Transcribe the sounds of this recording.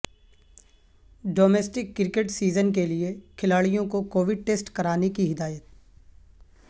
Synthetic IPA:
ɖoːmeːsʈɪkːɪɾkeʈsiːzənk̬eliekʰɪlaːɭijõkokoːʋɪɖ̚ʈeːsʈkɐɾaːnekiɦɪd̪aːjət̪̚

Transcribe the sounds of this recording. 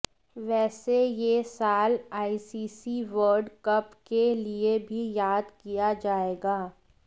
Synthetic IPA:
ʋɛːsejesaːlaːisiːsiʋəɾɖkɐpkeliebʱijaːd̪kijad͡ʒaːeːɡaː

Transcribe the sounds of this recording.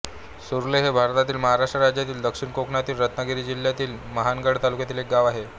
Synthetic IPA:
suɾuleɦebʱaɾt̪at̪iːlməɦaɾaʂʈɾəɾad͡ʑjat̪iːld̪əkʂiɳkokɳat̪iːlɾət̪nəɡiɾiːd͡ʑilːjat̪iːlməɦanɡəɽt̪alukjat̪iːlek̚ɡaʋaɦe

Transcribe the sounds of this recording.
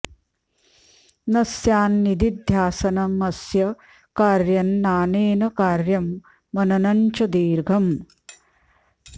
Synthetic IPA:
nɐsjaːnːid̪id̪ʱjaːsɐnɐmɐsjɐ | kaːɾjɐnːaːneːnɐkaːɾjɐmː | ɐnɐnɐɲt͡ʃɐd̪iːɾɡʱɐm

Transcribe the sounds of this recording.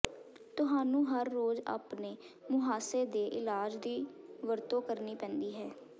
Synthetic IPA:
t̪ʊɦaːnũːɦəɾːoːza̰ːpneː | mʊɦaːseːd̪eːʔɪlaːd͡ʒd̪iːʋəɾt̪õːkəɾniːpɛ̃ːnd̪iːɦɛː

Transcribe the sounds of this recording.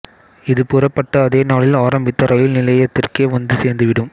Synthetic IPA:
ɪðɯpʊrɐpːɐʈːɐːðeːnaːɭɪlaːɾɐmbɪt̪ːɐɾɐjɪlnɪlɐjɐt̪ːɪrkeːʋɐnd̪ɯseːɾnd̪ɯʋɪɽɯm

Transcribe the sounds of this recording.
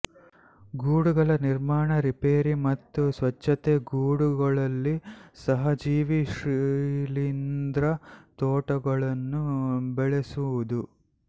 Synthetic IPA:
ɡuːɽuɡɐɭɐniɾmaːɳɐɾipeːɾimɐt̪ːusʋɐt͡ʃːɐt̪eɡuːɽuɡɐɭɐlːisɐɦɐd͡ʒiːʋiʃɾilind̪ɾɐt̪ɔːʈɐɡɐɭɐnːubɛɭesuʋud̪u

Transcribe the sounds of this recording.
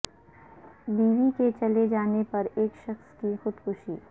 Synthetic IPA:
biːʋiket͡ʃɐled͡ʒaːnepɐɾeːkʃɐxskixʊd̪kʊʃiː

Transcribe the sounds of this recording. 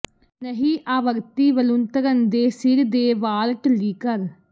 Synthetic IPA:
nəɦĩːʔaːʋəɾt̪iːʋəlʊnt̪əɾənd̪eːsɪɾd̪eːʋaːɾʈliːkəɾ

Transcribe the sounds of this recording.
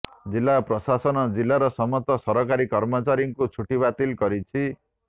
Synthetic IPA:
d͡zilːaprʌsasʌnʌd͡zilːaɾʌsʌmʌt̪ːʌsʌɾʌkaɾikʌɾmʌt͡saɾjiŋkot͡sʰuʈibat̪ilkʌɾit͡sʰi

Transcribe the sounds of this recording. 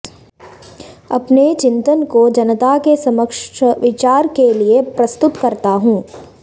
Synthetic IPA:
ɐpnet͡ʃɪ̃nt̪ənkod͡ʒɐnət̪akesɐməkʃʋɪt͡ʃaːɾkeliepɾɐst̪ʊt̪kɐɾt̪aɦũː

